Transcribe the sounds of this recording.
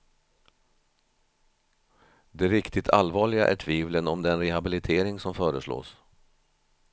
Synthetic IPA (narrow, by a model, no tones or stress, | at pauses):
d̪ɛɾɪkt̪ɪt̪ʰalvɑːɭɪɡaʔæ̰ʈʰviːvlənɔmd̪ɛnɾɛhabɪlɪt̪ʰeːɾɪŋsɔmfœːɾəslo̰ːs